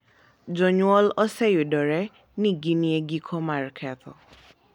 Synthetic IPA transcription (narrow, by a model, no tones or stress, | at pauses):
d͡ʒɔɲuɔlɔsɛjudɔɹɛ | niɡiniɛɡikʰɔmaɹkʰɛt̪ʰɔ̰